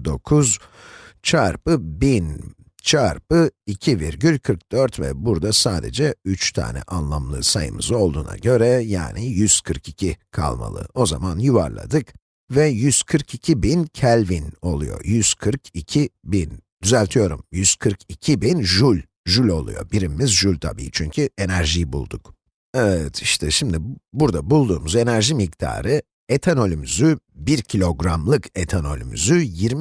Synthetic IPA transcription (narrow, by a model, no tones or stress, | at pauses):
d̪o̞kʰuz | t͡ʃʰaɾpɯbin | t͡ʃʰaɾpɯicʰiviɾɟylʲkʰɯɾk̚d̪̥øɾt̪vɛ̰buɾd̪asaːd̪ɛ̰d͡ʒɛyt͡ʃt̪ʰa̰ːnɛ̰ʔanlˠamlˠɯ̰sajɯ̰mɯ̰zo̞lˠd̪uːna̰ɟø̞ɾɛja̰ːnijyz̥kʰɯɾkicʰikʰa̰lˠma̰lˠɯ̰o̞zamanjuva̰ɾlˠa̰d̪ɯk | vɛjyz̥kʰɯɾkicʰibincʰælʲvino̞lˠṵjo̞̰jyz̥kʰɯɾkicʰibind̪̥yzælʲt̪ʰijo̞ɾṵmjyz̥kʰɯɾkʰicʰibinʒulʲ | ʒulʲo̞lˠṵjo̞̰biɾimimizʒulʲt̪ʰa̰bḭːit͡ʃʰyɲcʰye̞næɾʒijbṵlˠd̪uk | ɛvɛt̪ʰiʃt̪ʰɛʃimd̪ibuɾd̪abulˠd̪uːmuze̞næɾʒimikd̪ʰa̰ːɾɯ | e̞t̪ʰano̞lʲymyzybiɾcʰilʲo̞ɡɾamlˠɯkʰet̪ʰano̞̰lʲy̰my̰zyjiɾm